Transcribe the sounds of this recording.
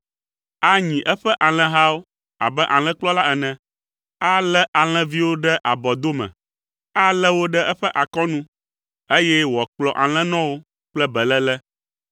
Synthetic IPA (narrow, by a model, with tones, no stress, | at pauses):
a˦ɲĩ˨ʔɛ˦ɸɛ˦ʔa˨l̃ɛ̃˦ɦa˦wo˦ | a̰˨bɛ˦ʔa˨l̃ɛ̃˦k͡plɔ˦la˦ɛ˨nɛ̃˨ | a˦lɛ˦ʔa˨l̃ɛ̃˦vi˦wo˦ɖɛ˦ʔa˨bɔ˨d̪o˦mɛ̰̃˨ | a˦lɛ˦wo˦ɖɛ˦ʔɛ˦ɸɛ˦ʔa˨kɔ˦nũ˦ | e˦jɛ˦wɔ˨k͡plɔ˨ʔa˨l̃ɛ̃˦nɔ̃˦wo˦ | k͡plɛ˦bɛ˨lɛ˦lɛ˦